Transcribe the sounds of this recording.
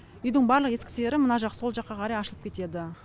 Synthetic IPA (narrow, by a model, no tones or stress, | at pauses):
ʏjd̪ɪŋbɑɾlˠəqje̞skʲɪ̥se̞ɾɪmʊnɑʒɑqso̞lˠʒɑqːɑqʰɑɾɑjɑʃəlˠəpkʲʰe̞t̪e̞d̪ɪ